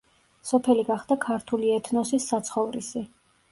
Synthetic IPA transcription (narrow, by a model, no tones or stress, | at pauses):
sɔpʰɛliɡaχd̪̥akʰaɾt̪ʰuliɛt̪ʰnɔsisːat̪sʰχɔvɾisi